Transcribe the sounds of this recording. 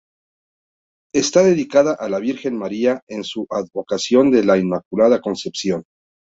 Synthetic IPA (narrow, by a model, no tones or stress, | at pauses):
est̪aðe̞ðikaðaʔalaβiɾxe̞nmaɾiae̞nsuʔaðβo̞kasjo̞nd̪e̞lainmakulaðako̞nse̞psjo̞n